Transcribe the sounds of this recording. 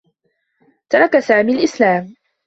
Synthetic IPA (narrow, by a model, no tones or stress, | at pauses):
t̪ɑɾˤɑkasaːmiːalʔɪslaːm